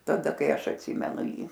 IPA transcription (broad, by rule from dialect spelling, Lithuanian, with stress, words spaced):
tɐˈdɐ ˈkɐɪ ˈɐʃ ɐtʲˈsʲiːmʲɛnʊ ˈjiː